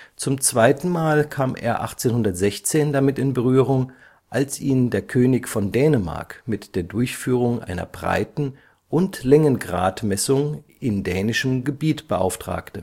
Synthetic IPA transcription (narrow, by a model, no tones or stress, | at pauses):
t͡sʊmt͡sv̥aɪtn̩maːlkʰaːmʔḛːɐʔa̰χt͡seːnhʊndɐtz̥ɛçt͡seːndamɪtɪnbəʁyːʁ̞ʊŋ | ʔalsʔiːndeːɐkʰøːnɪçfɔndɛːnəma̰ɐkmɪtd̥eːɐdʊɐçfyːʁ̞ʊŋʔa̰ɪnɐ̰bʁa̰ɪtn̩ | ʔʊntlɛŋənɡʁa̰ːtmɛsʊŋʔɪndɛːnɪʃəmɡəbiːtb̥əʔa̰ʊftʁ̥a̰ːktə